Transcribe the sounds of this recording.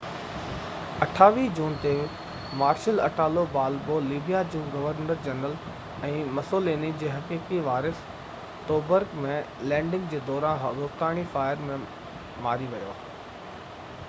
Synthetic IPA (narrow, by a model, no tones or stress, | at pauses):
ɐʈʰaːʋiːd͡ʑuːnt̪e | maːɾʃəlɐ̰ʈʰaːlobaːlboːliːbijad͡ʑũːɡɐʋəɾnəɾd͡ʑɐnəl | ɛ̃ːmɐsoːleːnid͡ʑeːɦɐkiːkiʋaːɾɪs | t̪oːbəɾɡmẽ | lɛ̃ːɳɖɪ̃ŋɡd͡ʑeːd̪ɔːɾãnɦʋoft̪aːɽ̃ifaːɪəɾmẽ | maːɾiʋɐjo̰ː